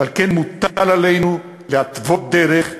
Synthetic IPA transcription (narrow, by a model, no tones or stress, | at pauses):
alkenmut̪alalejnu | leat̪vo̞t̪̚d̪eɾeχ